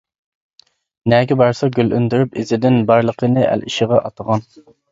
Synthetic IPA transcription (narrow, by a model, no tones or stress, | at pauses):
nɛɡʲɛbɑɾsɑɡʲølʔynd̪yɾypɪzɪd̪ɪnbɑɾlˠəqʰənɨʔæ̰lʔiʃɪʁɑʔɑt̪ʰəʁɑn